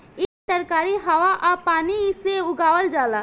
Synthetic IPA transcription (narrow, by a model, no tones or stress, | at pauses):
ɪst̪əɾkaːɾiɦɐʋaʔapaːniseʊɡaːʋəld͡ʒaːlaː